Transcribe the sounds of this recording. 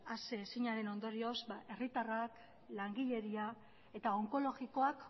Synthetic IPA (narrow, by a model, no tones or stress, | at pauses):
aseːsiɲaɾe̞no̞nd̪o̞ɾio̞zbaʔe̞rit̪arak | laŋɡiʎe̞ɾia | e̞t̪ao̞ŋko̞lo̞ɣiko̞ak